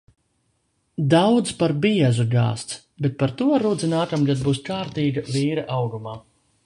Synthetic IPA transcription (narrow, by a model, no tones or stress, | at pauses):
d̪awd̪zpaɾbiɛzuɡa̰ːst̪s | bet̪̚paɾt̪uɔɾud̪zʲinaːkamɡad̪̚buːskaːɾt̪iːɡaviːɾɐʔawɡumaː